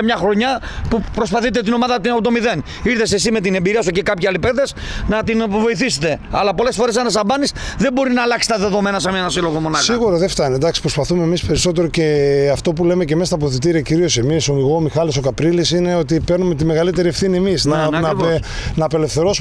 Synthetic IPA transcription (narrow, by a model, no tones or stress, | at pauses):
mɲɐxɾo̞ɲɐpupɾo̞spɐθit̪̬e̞t̪ino̞mɐðɐt̪ipt̪̬o̞miðe̞n | iɾθe̞sesimet̪̬ine̞mbiɾiɐsucekɐpçiɐlipeðes | nɐt̪invo̞iθiset̪e̞ɐ̰lɐpo̞le̞sfo̞ɾes̬ɐnɐsɐbɐnisðe̞bo̞ɾinɐːlɐksi̥st̪ɐðe̞ðo̞me̞nɐsemenɐsilo̞ɣo̞mo̞nɐsiɣuɾɐðeft̪ɐned̪ɐksi̥pɾo̞spɐθumeːmispe̞ɾiso̞t̪̬e̞ɾo̞ce̞ɐft̪o̞p̬ulemecemest̪ɐp̬oθit̪̬iɾiɐciɾio̞se̞misomiɣomixɐliso̞kɐpɾilisineo̞t̪ipeɾnumet̪ime̞ɣɐlit̪eɾiefθiniemisnɐnnɐːpe̞le̞fθe̞ɾo̞su